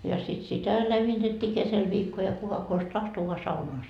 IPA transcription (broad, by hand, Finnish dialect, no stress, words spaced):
jɑ sit sitæ læmːitetːiː kesel ʋiːkːo jɑ kukɑ kos tɑhto ʋoɑ sɑunoɑ